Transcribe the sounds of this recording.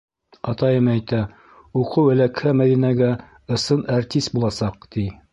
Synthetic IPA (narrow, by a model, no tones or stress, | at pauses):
ɑt̪ɑjɤmæjt̪æ | uqɤwæ̆lækhæmæðinæɡæ | ɤ̆sɤnaɾt̪ʲist̪̚bulˠɑsɑq̚t̪i